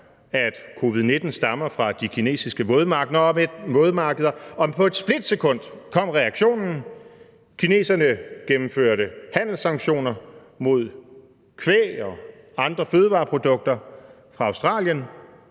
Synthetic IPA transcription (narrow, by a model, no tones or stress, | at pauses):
æd̥kʰo̝ʋið̞̩ˠne̝d̥n̩sd̥ɑ̈mɐfʁɑ̈d̥ikʰine̝̰ːsisɡ̥əʋoːð̞ˠmɑ̈ːɡ̥ðˠɐɒ̽med̥moːð̞ˠmɑ̈ːɡ̥əð̞ˠɐɒ̽pʰɒ̽e̝d̥sb̥le̝d̥sekʰɔ̽n̰d̥kʰɒ̽m̰ʁɛɑɡ̥ɕo̝̰ːnn̩ | kʰine̝̰ːsɐnəɡ̥emm̩føɐ̰ɾəhæn̰l̩sɑ̈ŋɡ̥ɕo̝̰ːnɐ | mo̝ð̞̰ˠ | kʰʋḛːɒ̽ | ɑ̈nd̥ʁɐføːð̞ˠəʋɑ̈ːpʰʁo̝d̥ɔ̽ɡ̥̚d̥ɐ | fʁɑ̈ɑ̈ʊsd̥ʁɑ̰̈ːljən